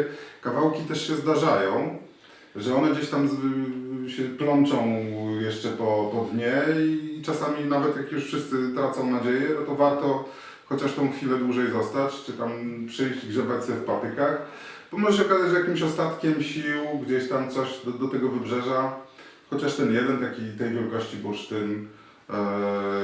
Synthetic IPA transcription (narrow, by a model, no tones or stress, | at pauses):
kavawkʲit̪ɛʂɕɛzd̪aʐajɔ̃w̃ | ʐɛɔnɛɡd͡ʑeɕt̪amz | ɕɛplɔnt͡ʂɔ̃w̃jɛʂt͡ʂɛpɔpɔd̪ɲɛit͡ʂasamʲinavɛt̪jakjuʂfʂɘst̪sɘt̪ɾat̪sɔ̃w̃nad͡ʑejɛnɔt̪ɔvaɾt̪ɔ | xɔt͡ɕaʂt̪ɔ̃w̃xfʲilɛd̪wuʐɛjzɔst̪at͡ɕt͡ʂɘt̪ampʂɛjʑd͡ʑɡʐɛbat͡ɕsɛfpat̪ɘkax | b̥ɔmɔʐɛɕ̬ɛɔkazat͡ɕjakʲimɕɔst̪at̪kʲɛmɕiwɡd͡ʑeɕt̪amt̪sɔɕd̪d̪ɔt̪ɛɡɔvɘbʐɛʐa | xɔt͡ɕaʂt̪ɛnjɛd̪ɛnt̪akʲit̪ɛjvʲjɛlkɔɕt͡ɕibuʂt̪ɘn